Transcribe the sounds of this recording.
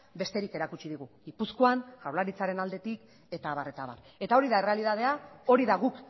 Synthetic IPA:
be̞st̪e̞ɾike̞ɾakut͡ʃiðiɣ̞uɣipusko̞anʝawlaɾit͡saɾe̞nald̪e̞t̪ik | e̞t̪aːβaɾe̞t̪aβa̰r | e̞t̪ao̞ɾiðae̞re̞aliðað̞e̞ao̞ɾiðaɣuk

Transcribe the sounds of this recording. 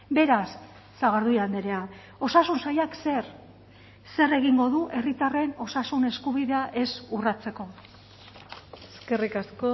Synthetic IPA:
be̞ɾasː | aɣ̞aɾðujand̪eɾe̞a | o̞sasunsajakser | se̞re̞ɣiŋɡo̞ðuʔe̞rit̪are̞no̞sasune̞skuβiðe̞aʔe̞surat͡se̞ko̞ | eske̞rikasko

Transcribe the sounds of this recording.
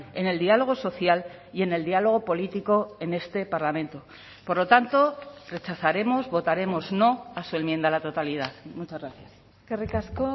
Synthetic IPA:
e̞ne̞ld̪ialo̞ɣ̞oso̞θjal | ie̞ne̞ld̪ialo̞ɣ̞o̞po̞lit̪iko̞e̞ne̞st̪e̞paɾlamẽ̞nt̪o̞ | po̞ɾlo̞t̪ant̪o̞re̞t͡ʃaθaɾe̞mo̞zβo̞t̪aɾe̞mo̞zno̞asue̞mje̞nd̪alat̪o̞t̪alið̞aθmut͡ʃazɣɾaθjas | kerikasko

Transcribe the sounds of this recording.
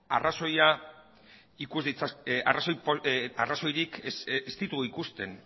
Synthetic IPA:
a̰raso̞ja | ikuzðit͡saaraso̞jpoaraso̞jɾikest̪it̪uoikust̪e̞n

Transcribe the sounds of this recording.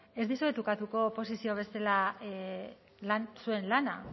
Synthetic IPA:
e̞zðisuet̪ukat̪uko̞po̞sisio̞βe̞se̞la | lansue̞nlana

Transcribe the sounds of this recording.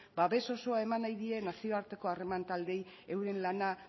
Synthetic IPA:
baβe̞so̞so̞ae̞manajðie̞nasio̞aɾt̪e̞ko̞are̞mant̪ald̪e̞j | e̞wɾe̞nlana

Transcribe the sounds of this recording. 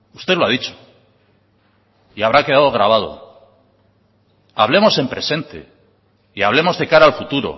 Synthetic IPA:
ust̪e̞ðloað̞it͡ʃo̥ | iaβ̞ɾake̞ð̞aðoɣ̞ɾaβ̞að̞o̞̰ | a̰β̞le̞mo̞se̞mpɾe̞se̞nt̪e̞̰ | iaβle̞mo̞zðe̞kaɾaːlfut̪uɾo̞̰

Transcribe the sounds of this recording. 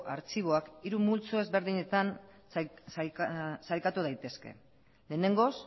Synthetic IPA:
ʔaɾt͡ʃiβ̞o̞akiɾumult͡soe̞zβe̞ɾðiɲe̞t̪an | salkat̪uð̞ajt̪e̞ske̞̰ | le̞ːne̞ŋɡo̞s

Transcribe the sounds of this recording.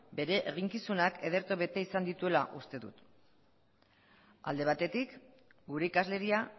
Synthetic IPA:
be̞ɾe̞ʔeɣiŋkisunake̞ð̞e̞ɾt̪oβe̞t̪e̞isand̪it̪ue̞laʔust̪e̞ðṵt̪ | a̰ld̪e̞β̞at̪e̞t̪ik | ɡuɾe̞ikazle̞ɾia

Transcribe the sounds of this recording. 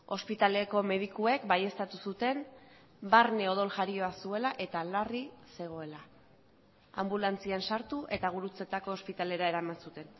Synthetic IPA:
o̞spit̪aleko̞me̞ð̞ikue̞kbaje̞st̪at̪usut̪e̞n | baɾne̞o̞ðo̞lʝaɾio̞asue̞laʔe̞t̪alarise̞ɣ̞o̞e̞la | a̰mbulant͡siansaɾt̪uʔe̞t̪aɣ̞uɾut͡se̞t̪ako̞ːspit̪ale̞ɾae̞ɾamansut̪e̞n

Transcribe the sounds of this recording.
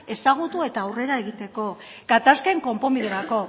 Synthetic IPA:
e̞saɣ̞ut̪ue̞t̪aːwre̞ɾae̞ɣit̪e̞ko̞ɡat̪askeŋko̞mpo̞miðeɾako̞

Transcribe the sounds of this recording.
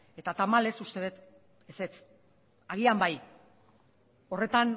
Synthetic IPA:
e̞t̪at̪amale̞sust̪e̞βet̪ | ese̞t͡s | aɣ̞iambaj | o̞re̞t̪an

